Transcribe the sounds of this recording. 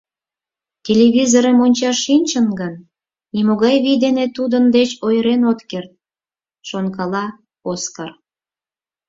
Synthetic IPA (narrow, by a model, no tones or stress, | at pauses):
tʲelʲeβʲizoɾəmonʲt͡ɕɑʃːinʲt͡ɕənɡənː | imoɣɑjβid̪enet̪ud̪ənd̪et͡ɕojɾenot̪kert̪̚ | ʃonkɑlɑ | oskɑr